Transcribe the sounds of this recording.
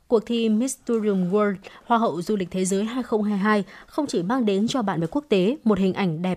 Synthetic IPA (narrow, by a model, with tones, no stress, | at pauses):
ku˨˩ək̚t̪ʰi˧mi˦˥st̪u˧zi˧u˧mɣə˧lhwaː˧ɦə̰˧˨wzu˧lï̟˨˩t̪ʰe˨˦zəː˨˦jɦaː˧jxə˧wŋ͡mɦaː˧jɦaː˧jxə˧wŋ͡mt͡ɕi˧˩maː˧ŋɗe˨˦nt͡ɕɔ˧ɓa̰ː˧˨va̰ː˨˩ku˦˥ək̚t̪e˨˦mo˨˩t̚hï˨˩ŋ̟ʔa˧˩jŋ̟ɗɛ˨˩p̚